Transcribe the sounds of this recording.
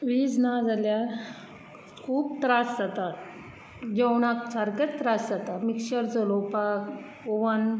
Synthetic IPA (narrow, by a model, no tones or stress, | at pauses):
ʋiːd͡znad͡zalja | kʰuːp̚t̪ɾasd͡zat̪a | d͡ʑɛwɳakt͡saɾkət͡st̪ɾasd͡zat̪amikɕəɾt͡səlopak | oʋən